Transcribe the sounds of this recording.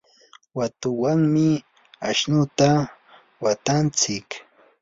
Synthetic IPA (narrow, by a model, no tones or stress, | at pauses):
wat̪ʊwaŋmɪ | aʃnʊt̪a | wat̪ant͡sɪk